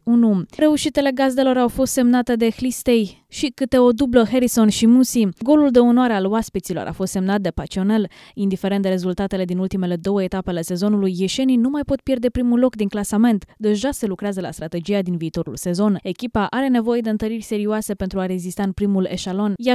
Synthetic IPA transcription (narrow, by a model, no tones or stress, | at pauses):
unuɾe̞uʃit̪e̞le̞ɡaze̞lo̞ɾawfo̞st̪se̞mnat̪e̞d̪e̞xlist̪e̞j | ʃikɨt̪e̞o̞d̪ubləɦe̞ɾiso̞nʃimusiɡo̞luld̪e̞onowaɾe̞aloaspit̪silo̞̰ɾʔa̰fo̞st̪semnat̪̚d̪e̞pat͡ʃio̞ne̞l | ind̪ife̞ɾend̪e̞ɾe̞zult̪at̪e̞le̞d̪inult̪ime̞le̞d̪o̞wəet̪apeale̞se̞zo̞nulujːeʃe̞ninumajpo̞t̪̚pje̞rd̪e̞pɾimulo̞kd̪iŋklasame̞nt̪d̪e̞ʒase̞lukɾeazəla̰st̪ɾat̪e̞d͡ʒiad̪inviːt̪o̞ɾṵlse̞zo̞ne̞kʲipaʔaɾe̞ne̞vo̞je̞d̪eɨnt̪əɾirʲse̞ɾioase̞pe̞nt̪ɾuaɾe̞zist̪aɨnpɾimule̞ʃalo̞nja